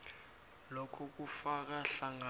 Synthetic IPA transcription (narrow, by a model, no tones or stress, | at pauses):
lɔkʰɔk̬ufak̬aɬaŋa